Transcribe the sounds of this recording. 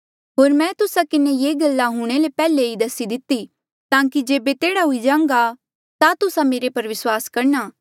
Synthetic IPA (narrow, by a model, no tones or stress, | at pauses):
ɦoːɾmɛ̃ːt̪ʊsakɪnejeːɡɐlːaɦʊɽ̃elepɛːleid̪ɐsid̪ɪt̪ːi | t̪ãːkid͡ʒeːbet̪eːɽaɦʊid͡ʒãːŋ̆ɡa | t̪at̪ʊsameːɾepɐɾʋɪswaːskɐɾnaː